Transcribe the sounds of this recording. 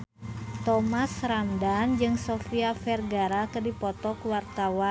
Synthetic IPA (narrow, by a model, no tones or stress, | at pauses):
t̪ɔmasramdand͡ʒɨŋsɔfiafɛrɡaɾakɨrdipɔt̪ɔkuwart̪awa